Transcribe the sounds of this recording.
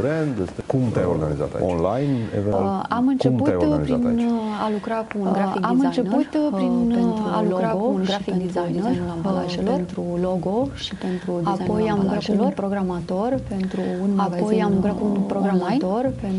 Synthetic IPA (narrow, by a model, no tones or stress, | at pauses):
bɾend̪est̪ekumt̪ajo̰ɾɡa̰nḭza̰t̪a̰io̰nlajnḛveamɨnkt͡ʃempuaj̪ɡnipɾianalukɾakuunɡɾaikamɨnt͡ʃe̞nut̪pɾinealuoɾaounɡɾafikd̪izajnəat͡ʃelornt̪ɾulo̞ɡo̞ʃipe̞nt̪ɾud̪izapo̞jamɡɾakulopɾo̞ɡɾamat̪o̞rpe̞nt̪ɾuunmaɡapzojamlukɾakuunpɾo̞ɡɾamat̪o̞rpen